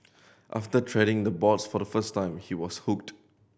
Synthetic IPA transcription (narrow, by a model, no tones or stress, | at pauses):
ʔa̰ftətʰɹɛɾɪ̃ŋd̪əbɔtsfɔdəfəstãɪ̃mhiwɔshuk̚t